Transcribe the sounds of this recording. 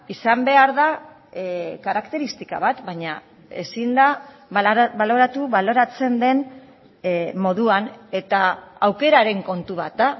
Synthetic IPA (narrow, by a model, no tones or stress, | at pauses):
isambe̞aɾða | kaɾakt̪e̞ɾist̪ika̰βat̪baɲa | e̞̰sind̪a | βalo̞ɾat̪uβalo̞ɾat͡se̞nd̪e̞n | mo̞ðuane̞t̪aawke̞ɾaɾe̞ŋko̞nt̪uβ̞at̪̚d̪a